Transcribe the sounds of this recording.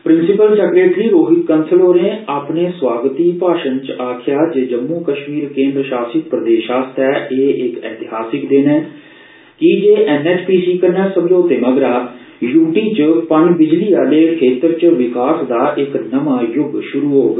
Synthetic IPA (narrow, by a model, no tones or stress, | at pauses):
pɾɪnsɪpəlsɛkɾeːʈɾiːɾoːɦɪk̪kənsʰəloːɾneːaːpneːswaːɡət̪iːpaːʃənt͡ʃaːkʰɪjaːd͡ʒeːd͡ʒəmːuːkəʃmiːɾkẽːnd̪ɾəʃaːsɪk̪̚pɾəd̪eːʃaːst̪ɛːʔeːʔɪkɛ̰ːt̪ɪɦaːsɪkd̪eːnɛ̃ː | kɪd͡ʒeːʔɛnɛːt͡ʃpiːsiːkəɾnɛːsəmd͡ʒoːt̪eːməɡɾaː | juːʈiːt͡ʃpənd͡ʒbɪd͡ʒliːaːd̪eːkʰeːt̪ɾt͡ʃʋɪkaːsd̪aːʔɪknəmaːjʊɡʃʊɾuːɦoːɡ